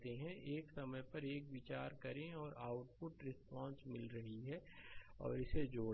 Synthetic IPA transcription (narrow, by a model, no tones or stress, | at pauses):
t̪eɦɛ̃ʔeːksɐməjpɐɾeːkʋɪt͡ʃaːɾkɐɾẽɔːɾaːʊʈ̚pʊʈɾɪspɔ̃ːnsmɪlɾɐɦiɦɛɔ̰ːɾɪsed͡ʒoː